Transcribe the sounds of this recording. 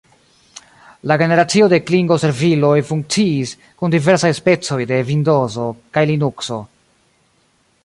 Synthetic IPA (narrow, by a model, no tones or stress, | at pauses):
laɡe̞ne̞ɾat͡sio̞de̞kliŋɡo̞se̞ɾvilo̞jfuŋk̚t͡siːs | kundive̞ɾsajspe̞t͡so̞jde̞vindo̞zo̞kajlinukso̞̰